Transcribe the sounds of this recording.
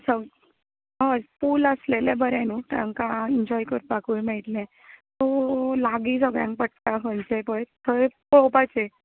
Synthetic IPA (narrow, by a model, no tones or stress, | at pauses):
səɡ | əfuləslelẽbəɾɛ̃nut̪ã̰ŋkãiɲd͡ʑɔjkəɾpakuimeɭʈlɛ̃ | t̪olaɡiːsəɡɭjã̰ŋk̚pəʈ̚t̪akənt͡ɕepəɭt̪ʰəepopat͡se